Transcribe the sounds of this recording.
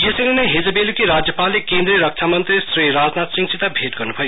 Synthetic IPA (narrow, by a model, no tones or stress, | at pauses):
jeseŋinʌjɦed͡zəbelukiɾad͡zjɐpalːekẽnd̪ɾiɾʌk̚t͡ʃʰamʌnt̪ɾisɾiɾad͡znat̪siŋɡsit̪abʱeʈɡʌɾnupʰʌjo